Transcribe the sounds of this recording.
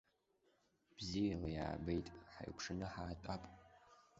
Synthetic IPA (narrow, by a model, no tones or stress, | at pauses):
b̥ziːlja̰ːbejtʼħa̰jkʷʰʂɨnɐħaːtʼapʼ